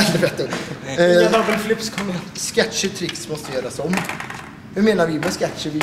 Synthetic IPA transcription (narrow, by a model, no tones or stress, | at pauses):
d̪ɛveːt̪ːɔ | avɛlflʏpskʰɔmːɛskɛtʂɪt̪ʰɾɪksmɔst̪əjœːɾasɔmː | hʉmeːnaɾvɪmɛskæt̪ʂəvɪ